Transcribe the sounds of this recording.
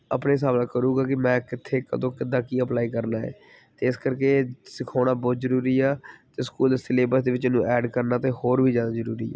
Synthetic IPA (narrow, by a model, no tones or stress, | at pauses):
ə̰pɽeːs̬aːblaːkəɾuːɡaːkɪmɛ̃ːkɪt̪ʰːeːkə̰d̪õːkɪd̪ãːkiːəplaːiːkəɾnaːɛ̰ː | t̪eːɪskəɾkeːsɪkʰaːɽaːbɔːzəɾuːɾiːaːt̪eːskuːlsɪleːbəɾsd̪eːʋɪt͡ʃnũːʔɛːɖkəɾnaːt̪eːhoːɾʋʱiːd͡ʒaːnaːzəɾuːɾiːɛ̰ː